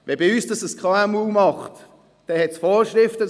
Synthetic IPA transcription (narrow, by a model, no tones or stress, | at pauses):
vɛbiyːsd̥ɑsəskʰʁɑamuːmɑχt | d̥ɛhɛtsfɔːɾʃɾɪftə